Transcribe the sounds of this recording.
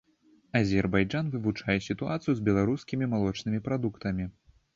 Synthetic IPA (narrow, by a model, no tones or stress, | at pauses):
ɐzʲɛrbajd͡ʐanvɨvut͡ʂajɛsʲit̪ua̰t̪sɨjuzʲbʲɛlˠaɾuskʲimʲimalˠɔt͡ʂnɨmʲipɾad̪ukt̪ɐmʲi